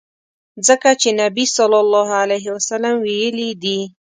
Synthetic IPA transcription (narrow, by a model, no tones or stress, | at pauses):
zəkat͡ʃenabisɔlːɑlːɑɦalajɦɪwasalamwijəlid̪i